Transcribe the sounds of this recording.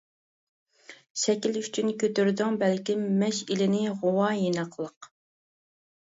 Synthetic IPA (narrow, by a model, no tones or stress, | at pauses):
ʃɛkʲilyt͡ʃʰynkʲʰøt̪yɾd̪yŋbɛlkʲimːɛʃilɪnɪʁowɑjinɑqlˠəq